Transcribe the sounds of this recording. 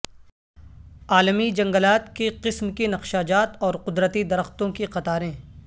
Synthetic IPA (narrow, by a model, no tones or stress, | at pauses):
aːlmid͡ʒɐ̃ŋɡəlaːt̪keqɪsmkinɐqʃaːd͡ʒaːt̪ɔːɾqʊd̪ɾət̪id̪ɐɾəxt̪õkiqɐt̪aːɾẽː